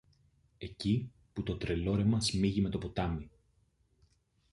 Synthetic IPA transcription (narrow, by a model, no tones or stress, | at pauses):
e̞ci | put̪o̞t̪ɾe̞lo̞ɾe̞mɐsmiʝime̞t̪o̞po̞t̪ɐmi